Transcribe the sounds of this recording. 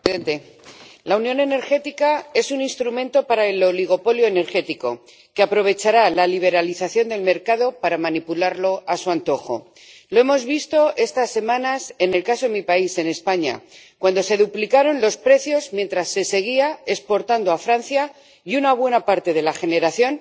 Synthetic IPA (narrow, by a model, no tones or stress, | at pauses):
ent̪e̞ | launjõ̞ne̞ne̞ɾxe̞t̪ikae̞suninst̪ɾumẽ̞nt̪o̞paɾae̞lo̞liɣ̞o̞po̞ljo̞ene̞ɾxe̞t̪iko̞̰ | keapɾo̞β̞e̞t͡ʃaɾalaliβ̞e̞ɾaliθaθjo̞nd̪e̞lme̞ɾkaðo̞paɾamanipulaɾlo̞ʔasuant̪o̞xo̞̰ | loe̞mo̞zβist̪o̞ʔe̞st̪asːe̞mãnase̞ne̞lkasoðemipaise̞ne̞spaɲa̰kwand̪o̞se̞ðuplikaɾo̞nlo̞spɾe̞θjo̞zmje̞nt̪ɾasːe̞se̞ɣ̞iae̞spo̞ɾt̪and̪oafɾanθja | junaβ̞we̞napaɾt̪e̞ð̞e̞laxe̞ne̞ɾaθjo̞n